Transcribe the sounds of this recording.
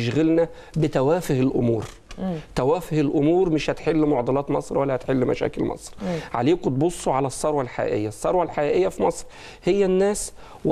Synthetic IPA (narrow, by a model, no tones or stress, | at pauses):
ʃɣælnæ | bɪt̪æwæːfɪhelʔʊmṵːɾ | t̪æwæːfɪhelʔʊmuːɾmɪʃhæt̪ħelːmoʕd̪ɑlɑːt̪mɑsˤɾwælːæhæt̪ħelːmæ̰ʃæ̰ːkɪlmɑ̰sˤɾʕa̰leːkt̪̚bosˤːoʕalæsˤːɑɾˤwælħa̰jæ̰ːʔḛjːæsˤːɑɾˤwælħajæːʔejːæfimɑsˤɾ | hejːænːæːs | w